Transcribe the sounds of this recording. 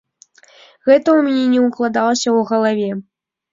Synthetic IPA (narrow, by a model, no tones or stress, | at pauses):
ɣɛt̪ɐumʲnʲɛnʲɛuklˠad̪alˠɐsʲɐwɣɐlˠavʲɛ